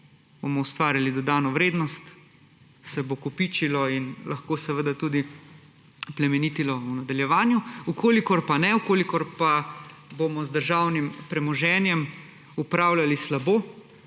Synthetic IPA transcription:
bomɔwst̪ʋaːɾjalid̪ɔd̪aːnɔʋɾeːd̪nɔst̪ | sɛbokɔpiːt͡ʃilɔinlʔaxkoːsɛʋəd̪at̪ud̪i | plɛmɛniːt̪ilɔunad̪aljɛʋaːnjuukoːlikɔɾpanɛukoːlikɔɾpabomɔzd̪əɾʒaːwnimpɾɛmɔʒɛnjɛm | upɾawlalislaboː

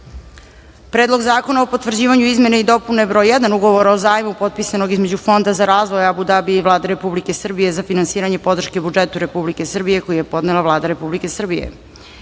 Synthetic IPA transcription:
pɾeːd̪lo̞ɡzaːko̞naopot̪ʋrd͡ʑiːʋaɲuizmje̞neid̪o̞punebɾojːed̪anuɡo̞ʋoɾaozaːjmupo̞t̪̚pisanoɡizme̞d͡ʑufo̞nd̪azaɾaːzʋojabud̪abiiʋlˠaːd̪eɾe̞publike̞sr̩bije̞zafinansiːɾaɲe̞po̞d̪r̩ʃkebud͡ʒet̪uɾe̞publike̞sr̩bije̞ko̞jijepo̞d̪nelˠaʋlˠaːd̪aɾe̞publike̞sr̩bijḛ

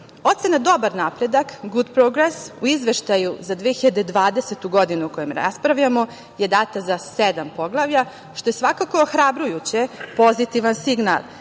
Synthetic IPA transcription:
o̞t̪se̞nad̪o̞baɾnapɾe̞d̪akɡud̪pɾoɡɾesuizʋe̞ʃt̪ajuzad̪ʋeeçiʎad̪ed̪ʋaːd̪eset̪uɡo̞d̪inuuko̞jemɾa̰spɾaʋʎamo̞ | jed̪aːt̪azased̪ampo̞ɡlˠaʋʎa | ʃt̪o̞jesʋakako̞oxɾabɾujut͡ɕepo̞zit̪iʋansiɡna̰lˠ

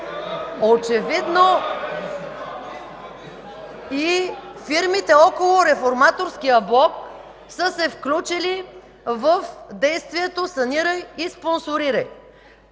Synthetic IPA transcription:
ot͡ʃɛvid̪no | ifiɾmit̪ɛɔkolˠoɾɛfoɾmat̪oɾsk̟ʲijəblˠɔk | səsɛfklʲut͡ʃili | vəfd̪ɛjst̪viɛt̪osɐnʲiɾəjisponsoɾiɾəj

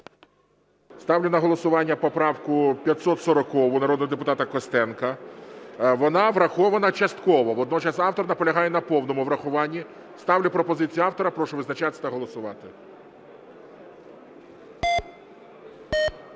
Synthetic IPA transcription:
st̪ɑwlʲʊnɐɦɔlˠɔsʊʋɑnʲːɐpɔpɾɑwkʊpʲjɐt̪sɔt̪sɔɾɔkɔʋʊnɐɾɔd̪nɔɦɔd̪epʊt̪ɑt̪ɐkɔst̪ɛnkɐ | ʋɔnɑʋɾɐxɔʋɐnɐt͡ʃɐst̪kɔʋɔʋɔd̪nɔt͡ʃɑsɑwt̪ɔrnɐpɔlʲɐɦɑjɛnɐpɔwnɔmʊʋɾɐxʊʋɑnʲːi | st̪ɑwlʲʊpɾɔpɔzɪt͡sʲijʊɑwt̪ɔɾɐpɾɔʃʊʋɪznɐt͡ʃat̪sʲɐt̪ɐɦɔlˠɔsʊʋɑt̪ɪ

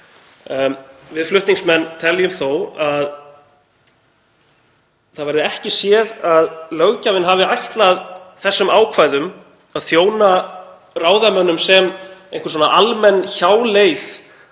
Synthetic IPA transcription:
vɪðflʏht̪niŋsmɛnːt̪ʰɛljʏmθowað | θaðvajɾðɪɛhcɪsjɛðaðlœɣcavɪnɦavɪajht̪laðθɛsːʏmaːwkʰvaːjðʏm | aðθjoːwna | raːwðamœnːʏmsɛmẽjŋ̥kʏɾs̬oɔnaʔalmɛnːçaːwlejθ

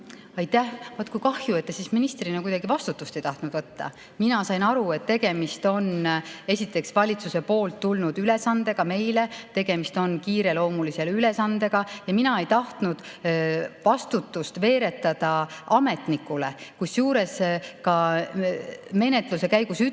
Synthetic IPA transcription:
ɑjt̪ːˑæhvot̪ːkujkɑhjue̞t̪ːesisminist̪rinekujd̥̪ɑɡivɑst̪ut̪ːˑust̪e̞jt̪ɑht̪nud̪̥vɤt̪ːɑ̰ | minɑsɑjnɑɾue̞t̪t̪ːe̞ɡ̥e̞mist̪o̞ne̞sʲit̪ːˑe̞ksvɑlʲit̪suse̞po̞ːlt̪ːulnud̪̥yle̞sɑnd̪e̞ɡ̥ɑme̞jle̞t̪e̞ɡ̥e̞mist̪o̞nkiːɾe̞lo̞ːmulise̞lyle̞sɑnd̪̥e̞ɡ̥ɑjɑminɑe̞jt̪ɑht̪nud̪̥ | vɑst̪ut̪ːˑust̪ve̞ːɾe̞t̪ːˑɑd̪̥ɑɑme̞t̪nikːule̞kusjuːɾe̞skɑ | me̞ne̞t̪luse̞kæjɡusy

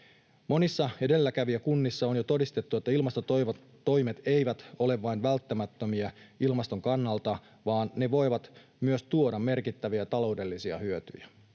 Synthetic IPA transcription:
mo̞nisːɑe̞de̞lːækæʋiækunːisːɑonjo̞t̪o̞dist̪e̞t̪ːue̞t̪ːæilmɑst̪o | t̪o̞jme̞t̪e̞jʋæt̪o̞le̞ʋʋɑinʋælt̪ːæmæt̪ːømiæilmɑst̪o̞ŋkɑnːɑlt̪ɑ | ʋɑːnːe̞ʋo̞jʋɑt̪myøst̪uo̞dɑmme̞rkit̪ːæʋiæt̪ɑlo̞ude̞lːisiɑ̰hyøt̪y̰jæ

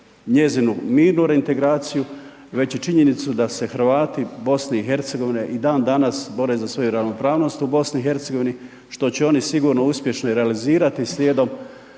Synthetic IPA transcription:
ɲe̞zinumiːɾnuɾe̞int̪e̞ɡɾaːt̪siju | ʋe̞t͡ɕet͡ʃiɲe̞nit̪sud̪ase̞xɾ̩ʋaːt̪ibo̞sneixe̞ɾt̪seɡo̞ʋine̞ʔid̪aːnd̪anasbo̞ɾe̞zasʋo̞juɾaʋno̞pɾaːʋno̞st̪ubo̞sniixe̞ɾt̪seɡo̞ʋini | ʃt̪o̞t͡ɕeo̞nisiɡuːɾno̞uspʲje̞ʃnoiɾealiziːɾat̪islʲjeːd̪o̞m

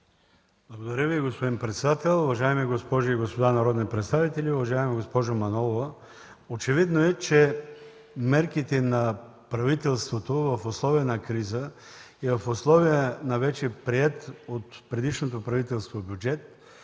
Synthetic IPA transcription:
blˠɐɡod̪ɐɾʲəviɡospod̪inpɾɛt̪sɛd̪at̪ɛlˠʊvɐʒaɛmiɡospɔʒiiɡospod̪anɐɾɔd̪nipɾɛt̪st̪avit̪ɛlʲiʊvɐʒaɛmɛɡospɔʒomɐnɔlˠova | ot͡ʃɛvid̪noɛt͡ʃɛ | mɛɾkit̪ɛnɐ | pɾɐvit̪ɛlˠst̪vot̪ovɐfoslˠɔvijənɐkɾizə | ɛvɐfoslˠɔvijənɐvɛt͡ʃɛpɾiɛt̪ot̪pɾɛd̪iʃnot̪̬opɾɐvit̪ɛlˠst̪vobjud͡ʒɛt̪̚

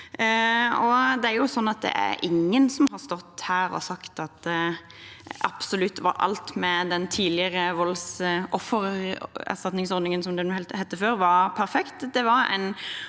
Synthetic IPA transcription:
ɔd̪ɛæɾjʊsɔnːɑt̪̚d̪ɛ̰ʔæ̰ɾʔɪ̰ŋːənsɔmɦɑɾst̪ɔt̪ːhæːɾɔ̰sɑkt̪ɑt̪ | ʔɑpsɔlʉt̪ːʋɑ̰ɾɑ̰lt̪mɛd̪ɛnt̪ʰiːd̪lɪəɾəʋɔlsʔɔfːəɾæ̰st̪ɑt̪nɪŋsɔɾd̪nɪŋənsɔmd̪ɛnuːhɛlt̪hɛt̪ːəføːɾʋɑɾpʰæɾfɛkt̪d̪ɛʋɑɾæ̰ɪn

